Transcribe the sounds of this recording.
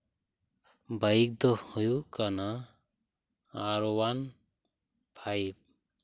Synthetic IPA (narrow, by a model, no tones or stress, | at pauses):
bajik̚d̪ɔhujukana | ɾɔwan | pʰajb̚